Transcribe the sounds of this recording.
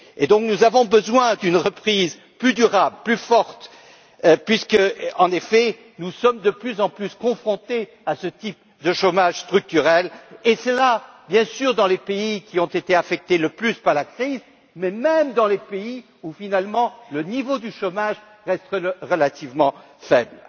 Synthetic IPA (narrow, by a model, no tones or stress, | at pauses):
ed̪ɔ̃k̚nuzavɔ̃bəzwɛ̃d̪ynʁəpχiz | plyd̪yʁablplyfɔʁt̪ | pɥiskəɑ̃nefɛ | nusɔmd̪əplyzɑ̃plyskɔ̃fχɔ̃t̪e | asət̪ip | d̪əʃomaʒst̪χyk̚t̪yʁɛlesəla | bjɛ̃syʁd̪ɑ̃lepeikʲiɔ̃t̪et̪eafɛk̚t̪eləplyspaʁlakχiz | mɛmɛmd̪ɑ̃lepei | ufinalmɑ̃lənivod̪yʃomaʒ | ʁɛst̪əʁəlat̪ivmɑ̃ | fɛbl